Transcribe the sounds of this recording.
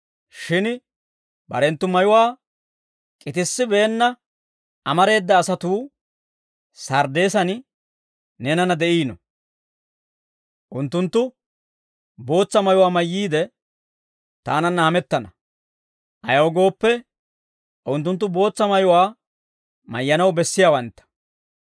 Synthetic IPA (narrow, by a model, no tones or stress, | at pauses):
ʃɪn | bɐ̰ɾɛnt̪ːʊmɐjʊwaː | kʼɪt̪ɪsːɪbeːnːɐ | ʔɐmɐɾe̞ːd̪ːɐːsɐt̪uː | sɐɾd̪e̞ːsɐn | nɛnɐnɐd̪ɛʔiːnɔ̰ | ʔʊnt̪ːʊnt̪ːʊ | bo̞ːt͡sːɐmɐjʊwaːmɐjːiːd̪ɛ | t̪a̰ːnɐnːɐhɐmɛt̪ːɐnɐ | ʔɐ̰jɐwɔɡo̞ːpːɛ | ʔʊnt̪ːʊnt̪ːʊbo̞ːt͡sːɐmɐjʊwaː | mɐ̰jːɐnɐwbɛsːɪjaːwɐnt̪ːɐ̥